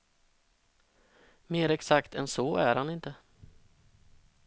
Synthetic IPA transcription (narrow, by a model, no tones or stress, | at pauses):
meːɾɛksakt̪ʰɛ̰nsɔːæɾhanɪnt̪ə